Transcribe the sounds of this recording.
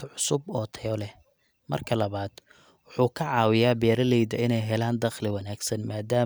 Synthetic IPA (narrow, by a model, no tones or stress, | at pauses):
ʕʊsʊbɔːt̪ʰɐjɔlɛh | mɐ̰rkʰɐlɐβaːd̪̥ | wʊħuːkʰɐʕɑːwɪjaːbɛːɾɐlɛjd̪ɐɪnɛjɦɛlaːnd̪ɐχlɪwɑnaːɡsɐnmaːd̪aː